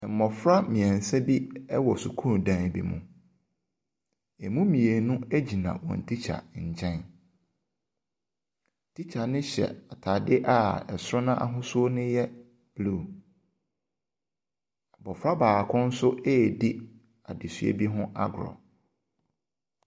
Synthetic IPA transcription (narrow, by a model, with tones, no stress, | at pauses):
m̩˨mɔ˨fɾa˦mĩ˨ɛ̃˨n̩˨sɛ˦bi˦ɛ˦wɔ˨su˨kʰũ˦˨dã˨bḭ˨mṵ̃˨ | e˨mũ˦mĩ˨e˨nũ˦e˦d͡ʑi˨nã̰˨wɔ̰̃˨n̩˨tʰi˦t͡ɕʰa̰˨ɲ̩˨t͡ɕʰɛ̃˦n˨ | tʰi˦t͡ɕʰa˨nɪ̃˦ɕɛ̰˨a˨tʰa˨dɪ˦ʔa˦˨ɛ˨sʊ˦ɾɔ˦nã˦ʔa̰˦ɦʊ̃˦sʊ˦o˦nɪ̃˦jɛ˦ | b̥lu˦˨ | a˨bɔ˨fɾa˦baː˨kʰʊ̃˦n̩˦sʊ˦eː˦˨di˦ | a˨dɪ˨sɥḛ˦bi˦ɦʊ̃˦ʔa̰˦ɡɾɔ̰˨